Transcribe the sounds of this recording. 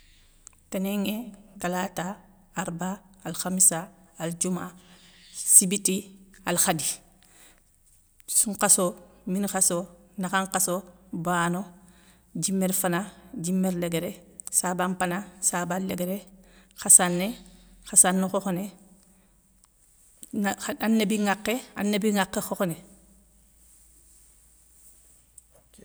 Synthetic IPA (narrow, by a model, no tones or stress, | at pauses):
teneŋekalataː | ɾbaːlxamisaːld͡ʒuma | sibitialxadi | suŋqasominxasonaxaŋqasobano | ɟimːeɾfanaɟimːeɾleɡeɾesabampanasaballeɡeɾexasanːexasanːuxoxone | anːebiŋaqːea̰nːebiŋakːexoxone